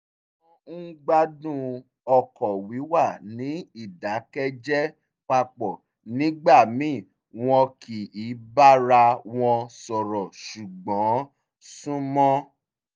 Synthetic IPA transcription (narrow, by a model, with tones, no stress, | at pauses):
ɡ͡ba˦dũ˦˨ | ɔ˨kɔ˨wi˨˦wa˦˨nĩ˨˦i˦˨da˨˦kɛ˦d͡ʒɛ˦ | k͡pa˧k͡pɔ˨ | nĩ˨˦ɡ͡ba˦˨mĩ˦˨ | w̃ɔ̃˧kʰi˨i˨˦ba˦ɾa˧w̃ɔ̃˧sɔ˨ɾɔ˨ʃu˨ɡ͡bɔ̃˨˦ | sũ˦mɔ̃˦